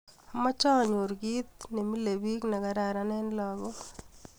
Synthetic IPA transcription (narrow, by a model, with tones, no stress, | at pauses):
a˨ma˦t͡ʃa˦˨ɲo˨ɾɡi˦t̪̚ni˨mi˦le˨bi˦kna˨ɡa˨ɾa˨ɾa˦nɛ˦nlɔ˨ɡɔ˦